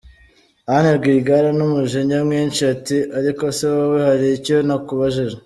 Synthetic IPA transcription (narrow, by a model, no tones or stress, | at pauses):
ahaneɾɡiːɡaɾanumuʒeɲamŋiːnt͡ʃiatiʔaɾikoseβawehaɾiiconakuβaʒiʒe